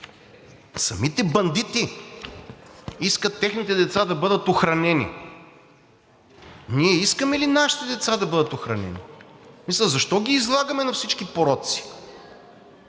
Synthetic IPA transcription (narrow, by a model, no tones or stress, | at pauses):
sɐmit̪ɛbɐnd̪it̪i | iskət̪ːɛxnit̪ɛd̪ɛt̪sad̪ɐbɤd̪ət̪oxɾɐnɛnḭ | niɛiskəmɛlinaʃi̥t̪ɛd̪ɛt̪sad̪ɐbɤd̪ət̪oxɾɐnɛ̰nḭmislɐzɐʃt̪ɔɡʲiːzlˠaɡəmɛnɐfsit͡ʃkipoɾɔt̪si̥